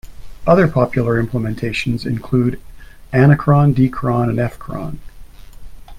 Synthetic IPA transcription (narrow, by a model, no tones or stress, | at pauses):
ʌðə˞pʰɑpʰjl̩ˠə˞ɪ̃mpʰləmɛ̃ntʰeɪʃn̩zɨ̰̃nkʰl̥uɾæñɨkʰɹ̥ɑ̃ndikʰɹ̥ɑ̃nɨ̃nɛfkʰɹ̥ɑ̰̃n